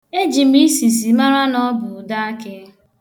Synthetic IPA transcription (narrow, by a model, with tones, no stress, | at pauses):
e˦d͡ʒi˨m̩˦i˦si˨s̬i˨ma˦ɾa˦nɔ˦bʊ˨da˦a˦kɪ˦